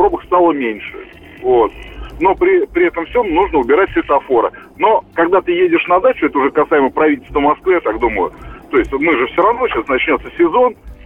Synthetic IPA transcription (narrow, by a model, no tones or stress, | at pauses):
pɾo̞bəkst̪alˠəmʲenʲʂɨ̰ | vot̪̚no̞pɾʲɪpɾʲɪɛt̪əmfsʲomnuʐnəʊbʲɪɾatʲfʲsʲoɛt̪əɐfo̞ɾə̰ | no̞kɐɡ̚d̪at̪ɨjedʲɪʂnɐd̪at͡ɕʊɛt̪əʊʐɛkɐsaɪməjpɾɐvʲit̬ʲlʲst̪vəmɐskvɨjat̪akd̪uməjʊ̰t̪o̞ɪsʲt̪ʲmɨʐɨfsʲoɾɐvno̞ɕasnɐt͡ɕnʲo̞t̪səsʲɪzo̞n